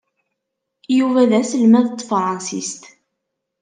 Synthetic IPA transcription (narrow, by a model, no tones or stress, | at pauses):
juvæðæsəlmæðt̪ːfɾˤɑ̃nsḭst̪